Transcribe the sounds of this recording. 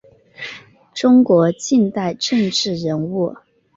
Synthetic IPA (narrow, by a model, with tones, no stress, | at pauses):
ʈ͡ʂʊ˥ŋkwɔ˧˥t͡ɕi˥˧nt̪a˥˧ɪʈ͡ʂɤ˥˧ŋʈ͡ʂɻ̩˥˩ɻə˧˥nu˥˩